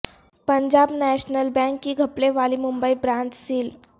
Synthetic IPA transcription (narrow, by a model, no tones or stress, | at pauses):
pəɲd͡ʑabnɛɕnəlbɛ̃ŋkːiɡʱəpleʋalimumbəibɾãɲt͡ɕsiːl